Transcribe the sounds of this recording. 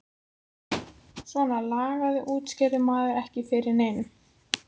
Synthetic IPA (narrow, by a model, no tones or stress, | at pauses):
svɔnalaːɣaðɪʔuːt̪scɛɾʏmaːðʏɾɛhcɪfɪɾɪɾneːjn